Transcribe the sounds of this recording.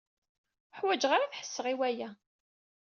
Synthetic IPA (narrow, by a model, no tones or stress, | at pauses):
ħwæd͡ʒʁaɾaθħə̥sːəʁiwæjæ